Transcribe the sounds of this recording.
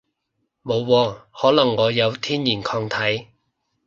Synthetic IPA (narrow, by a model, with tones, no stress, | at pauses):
mo˨˧wːɔː˧hɔː˨˥lɐ˨˩ŋːɔː˨˧jɐ˨˧wt̪ʰiː˥njiː˨˩nkʰɔː˧ŋt̪ʰɐ˨˥j